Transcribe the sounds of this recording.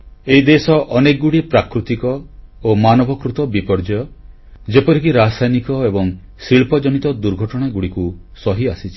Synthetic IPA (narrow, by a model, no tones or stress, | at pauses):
eid̪esɔʔɔnekɡuɽipɾakɾut̪ikɔ | omanɔbɔkɾut̪ɔbipɔɾd͡ʒɔjɔ | d͡ʒepɔɾik̬iɾasajnikɔebɔŋ | siɭpɔd͡ʒɔnit̪ɔd̪uɾɡʱɔʈɔɽ̃aɡuɽikusɔɦiasit͡ʃʰi̥